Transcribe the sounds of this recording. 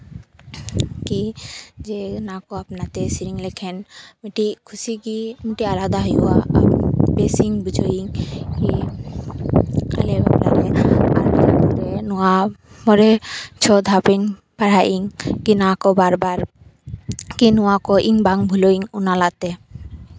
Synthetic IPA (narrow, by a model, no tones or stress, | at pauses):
kid͡ʒenakoapnat̪esiɾiŋlekʰenmiʈikʰusikimiʈialad̪aɦojɦuwaa̰besiŋbud͡ʒoiŋki | a̰leba̰bla̰ɾea̰ɾad̪apɔɾenua | mɔɾet͡ʃʰɔd̪ʱapiŋ | paɽaʔiŋkinakobaɾbaɾ | kinuakoʔiŋbaŋbʱuloiŋunalat̪e